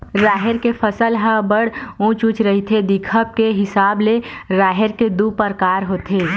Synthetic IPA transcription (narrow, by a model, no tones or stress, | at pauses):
ɾaːɦɪɾkepʰəsəlɦəbəɽ̤ũt͡ʃũt͡ʃɾəɦit̪ʰed̪ɪkʰəb̚keɦɪsaːbleɾaːɦeɾked̪upəɾkaːɾɦoːt̪ʰeː